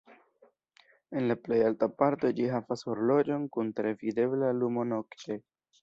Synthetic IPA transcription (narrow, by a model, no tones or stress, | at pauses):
e̞nlaple̞jaltapaɾto̞d͡ʒiɦavasuɾlo̞d͡ʒo̞nkuntɾe̞vide̞blalumo̞no̞kte̞